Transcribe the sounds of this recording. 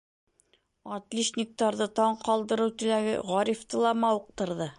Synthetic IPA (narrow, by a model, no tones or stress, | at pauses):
ɒt̪lʲiʃnʲik̚t̪ɑɾðɤt̪ɒɴqɒlˠd̪ɤ̆ɾɤwt̪ɵ̆læɡɘ̰ʁɒɾʲift̪ɤlˠɑmɑuq̚t̪ɤ̆ɾðɤ